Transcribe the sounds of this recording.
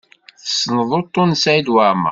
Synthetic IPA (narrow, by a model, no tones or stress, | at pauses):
θəsnəðˤot̪ˤːonsʕid̪wamə̰